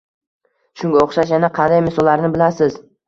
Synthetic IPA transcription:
ʃʊŋɡʲaoχʃaʃjanaqʰɑnd̪ajmɪsɒlːaɾnɪbɪlasɪz

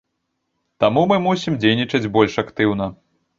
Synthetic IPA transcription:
t̪amumɨmusʲimd͡zʲejnʲit͡ʂɐd͡zʲbɔlʲʂakt̪ɨwn̪ɐ

